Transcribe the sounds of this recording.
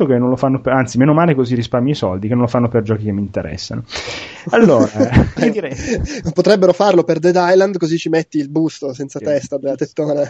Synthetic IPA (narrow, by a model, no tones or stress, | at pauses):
okenːõnlofanːopant̪simeːnomaːlekozirispaɾrmiisɔld̪ikenːõnlofanːoperd͡ʒɔːkikemːint̪eɾɛ̰sːa̰no | alːoːɾaid̪iɾɛpot̪ɾɛbːeɾofarloperd̪ed̪ajland̪kozit͡ʃimet̪ːiːlbust̪osɛnt̪sat̪ɛst̪ad̪elːat̪et̪ːoːna